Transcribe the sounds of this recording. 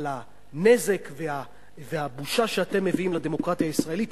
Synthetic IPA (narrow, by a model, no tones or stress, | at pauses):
la | ne̞ze̞kvea | veabuʃaʃeat̪e̞mːe̞viimlad̪e̞mo̞kʁat̪iaisʁae̞lit